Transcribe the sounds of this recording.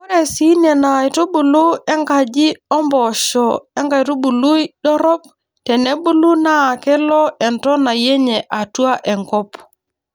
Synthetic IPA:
kɔ˦ɾɛ˨si˦nɛ˨na˨ɪ˨to˦bu˨lu˦ɛ˦ŋɡa˨d͡ʒɪ˦ɔ˦mbɔ˨ʃɔ˨ɛ˦ŋɡa˨jto˦bu˨lu˦jɗɔ˦ɾɔ˦p | tɛ˨nɛ˦bu˦lu˦naː˦˨kɛ˦lɔ˦ɛ˨ntɔ˦na˨je˦ɲɛ˨ʔa˨tu˦a˦ʔɛ˨ŋkɔ˦p

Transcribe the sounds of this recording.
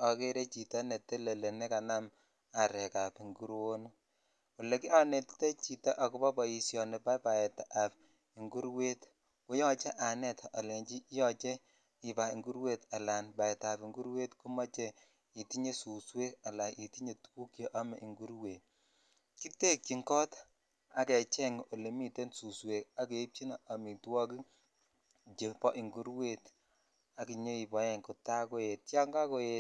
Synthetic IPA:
ɔ˨ke˦ɾe˦t͡ʃi˨ta˦ne˨tːe˦le˨le˨ne˦ka˨na˦m | a˨ɾɛ˨ka˨pi˨ŋɡu˦ɾwo˦no˦ | ɔ˨le˨ki˦a˦ne˨tte˦t͡ʃi˨ta˦ʔa˨ku˦bɔ˦bɔ˨i˨sjɔ˨ne˨pa˦pa˨ɛ˨taʔa˨p̚ | i˨ŋɡu˦ɾwe˦t | u˦jɔ˦t͡ʃe˦ʔa˨nɛ˦ta˨le˨ɲt͡ʃi˦jɔ˦t͡ʃe˦ | i˨ba˨i˨ŋɡu˦ɾwe˦ta˨la˨nba˨ɛ˨ta˨pi˨ŋɡu˦ɾwe˦tku˦mɔ˦t͡ʃe˦ | i˨ti˦ɲe˦su˨swe˦ka˨la˨ʔi˨ti˦ɲe˨tu̥˦ku˦kjo˨ʔa˦mɛ˨ʔi˨ŋɡu˦ɾwe˨t | ki˦te˦kki˨ŋkɔ˦t | a˦kɛ˨t͡ʃɛ˦ŋo˨le˨mi˦te˦nsu˨swe˨ka˦ke˨i˦p̚t͡ʃi˦na˨ʔa˨mi˨twɔ˦ki˦ | d͡ʒe˨pɔ˦ʔi˨ŋɡu˦ɾwe˦˨t | a˦ki˨ɲo˦i˨pɔ˨˦ɛ˦ŋkɔ˨ta˦ko˦je˨t̚ja˦ŋɡa˦ko˦je˨t

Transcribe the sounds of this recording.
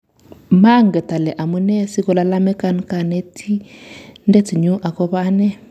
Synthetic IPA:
ma˦ŋ˨ɡɛ˨ta˨lɛ˨ʔa˨mu˦nɛ˦si˦kɔ˨la˨˧la˦mɛ˦ka˦˨nka˨nɛ˦tʰi˦ndɛ˦t͡si˨ɲu˦ʔa˨kɔ˦βa˦nɛ˦

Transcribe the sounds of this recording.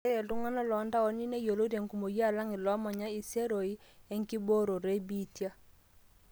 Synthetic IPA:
e˦e˨lu˦ŋa˦na˦lɔ˨˦nda˦ɔ˨˦ni˦ne˦jo˨lo˦te˨ŋku˨mo˨ja˦˨la˦ŋi˨lɔ˦ma˨ɲa˦i˨se˦ɾo˨i˦e˦ŋki˦bo˦ɾo˨ɾe˦bi˦tja˦

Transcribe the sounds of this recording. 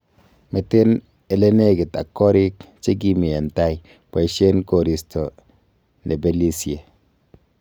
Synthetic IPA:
me˨te˦n | e˨le˦ne˦ɡɪ˨ta˨kːɔ˦ɾi˦kt͡ʃe˦k̬i˦mi˨e˨n˨ta˦j | pe˨ʃe˦nko˨ɾi˨sto˨ | ne˨be˨li˦sje˨

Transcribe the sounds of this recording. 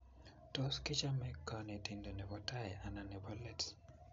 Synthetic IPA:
to˦skɪ˦t͡ʃa˦mɛ˦kːɔne˨ti˦ndo˨ne˨bɔ˦ta˦ja˨na˨nɛ˨bɔlɛ˦t

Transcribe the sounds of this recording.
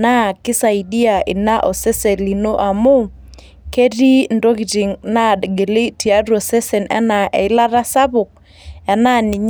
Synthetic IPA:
na˦kɪ˦sa˨i˨di˦a˨ɪ̰˨na˦ʔo˨se˦se˨li˨no˦ʔa˨mu˦ | ke˦di˦ndo˦ɡi˨ti˨ŋna˦dɡe˨li˦ti˨a˦ɾo˨se˦se˨nʔɛ̰˦na˨ʔɛ̰˨ɪ˦la˦ɾa˦sa˦bʊ˨k̚ | ɛ˨na˦nɪ˨ɲ

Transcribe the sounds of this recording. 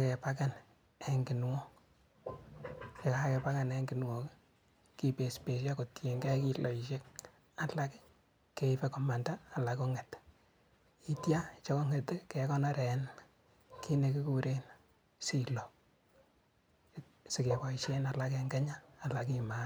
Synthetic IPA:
ake˨pa˦ka˦n | e˦ŋɡɪ˨nŋɔ˦k | ke˨kaa˦kɛ˨pa˦ka˦neŋɡɪ˨nŋo˨k | ki˦pe˨spe˨ʃ̬a˦ko˨tʰe˨ŋɡɛ˦ki˦lo˨iʃe˦k | a˦la˦k | kːe˨i˦pe˦kɔ˨ma˨ndaː˦˨la˨ko˦ŋe˨t | i˦tja˦t͡ʃe˦ko˦ŋe˨tke˨kɔ˦nɔ˦ɾɛ˨n | ki˦ne˨kɪ˦ku˦ɾe˦n | silo˨ | sɪ˨ke˨pɔ˨iʃe˦na˨la˦k̬eŋɡɛ˦ɲaː˦˨la˨k̬i˦ma

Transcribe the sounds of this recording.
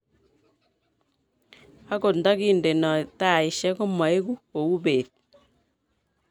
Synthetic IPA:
a˦ko˨nda˦ki˦˨nde˨nɔ˨ta˦˨i˨ʃɛ˦ko˦ma˨i˦ku˦ko˨u˦beː˨t̚

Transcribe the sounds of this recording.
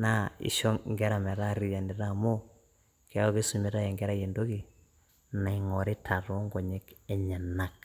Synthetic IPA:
na˦ḭ˨ʃɔ˦ŋɡɛ˦ɾa˨mɛ˨ɾa˦ɾi˨ja˨ndi˨ɾa˦mo˦ | ke˨a˦o˦ke˦su˨me˨˦ɾa˦jɛ˨ŋɡɛ˦ɾa˦je˨ndo˦ki˨ | na˨i˨ŋɔ˨ɾe˦tʰa˨ɾo˦ŋɡɔ˨ɲe˦kɛ˨ɲa˨na˦˨k̚

